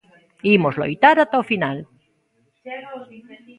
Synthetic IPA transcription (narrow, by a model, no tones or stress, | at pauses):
imozlo̰jt̪aɾat̪aofinal